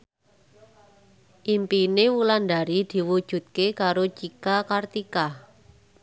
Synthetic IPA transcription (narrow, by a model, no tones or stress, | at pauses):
ʔimpinewuland̪aɾid̪̥i̤wud̥ʒ̥ṳt̪̚kekaɾot͡ʃikakart̪ika